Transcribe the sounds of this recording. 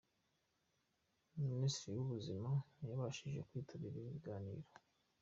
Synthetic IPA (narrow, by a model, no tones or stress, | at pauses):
muministɾijuβuzimajaβaʃiʒe̞̰kwiːtʰaβiɾiβiɡaːnḭːɾo